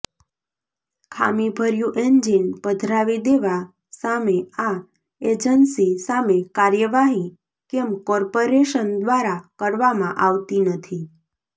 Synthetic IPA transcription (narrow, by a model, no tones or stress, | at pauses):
kʰa̰mibʱəɾjũʔend͡ʒinbəd̪ʱɾaʋid̪eʋa | samea | ed͡ʒənsisamekaɾjəʋaɦĩ | kɛmkɔɾpoɾeʃənd̪ʋaɾakəɾʋamãʔaʋt̪inət̪ʰi